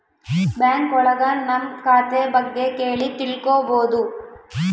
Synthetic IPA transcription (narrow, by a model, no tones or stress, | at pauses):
bjaːŋkɔɭɐɡɐnɐmkaːt̪ebɐɡːekeːɭit̪iɭkoːboːd̪u